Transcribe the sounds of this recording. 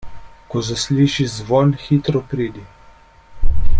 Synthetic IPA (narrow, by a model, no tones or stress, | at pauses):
kɔzasliːʃizʋɔnxiːt̪ɾɔpɾiːd̪i